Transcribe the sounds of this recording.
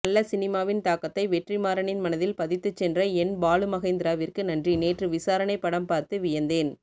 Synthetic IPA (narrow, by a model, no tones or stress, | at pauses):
ɐlːɐsɪnɪmaːʋɪnt̪aːkɐt̪ːɐɪʋɛʈrimaːɾɐɳɪnmɐnɐðɪlpɐðɪt̪ːɯt͡ʃːɛndrɐɛnbaːlɯmɐɣeːnd̪ɪɾaːʋɪrkɯnɐndrineːʈrɯʋɪsaːɾɐnɐɪpːɐɽɐmpaːɾt̪ɯʋɪjɐnd̪eːn